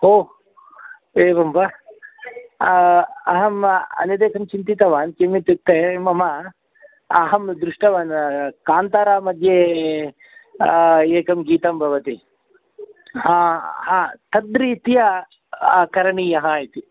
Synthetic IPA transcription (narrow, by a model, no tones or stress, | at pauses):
oː | eːbɐmbɐ | ɐɦɐmɐ̰nɐd̪eːkɐmt͡ʃint̪it̪ɐʋaːnkemit̪ut̪ːemɐmɐ | ɐɦɐmd̪ɾuʂʈɐʋaːnkaːnt̪aːɾaːmɐd̪ʱje | eːkɐmɡiːt̪ɐmbʱɐʋɐt̪i | haːhaːt̪ɐd̪ɾiːt̪ija | kɐɾɐɳijɐɦait̪i